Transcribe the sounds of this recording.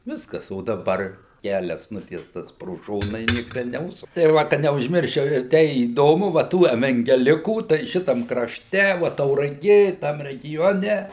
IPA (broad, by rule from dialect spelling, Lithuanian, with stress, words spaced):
ˈʋʲɪskɐs oː dɐˈbɐr ˈkʲælʲɛs ˈnʊtʲiɛstɐs proː ˈʃoːnɐ ɪ ˈnʲiɛks ˈtʲɛn nʲɛˈʊʃsʊk tɐɪ ˈʋɐ kɐ nʲɛʊʒʲˈmʲɪrʲʃʲt͡ʃʲɛʊ ɪr ˈtʲɛɪ iːˈdoːmʊ ʋɐ ˈtuː ɛʋʲɛŋʲɡʲɛˈlʲɪkuː tɐɪ ˈʃʲɪtɐm krɐʃʲˈtʲɛ ʋoː tɐʊrɐˈɡʲeː ˈtɐm rʲɛˈɡʲoːnʲɛ